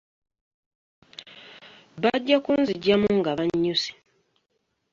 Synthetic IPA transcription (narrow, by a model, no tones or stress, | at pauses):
βaɟːakunziɟːamuŋɡaβaɲːusi̥